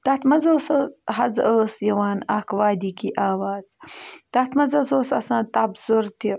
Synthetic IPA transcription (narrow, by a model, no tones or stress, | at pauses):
t̪at̪mɐzoːsəɦɐzəːsjɐwaːna̰ːkwaːd̪ikiʔaːwaːzt̪at̪mɐzɐsoːsɐ̰sãːt̪abzuɾt̪i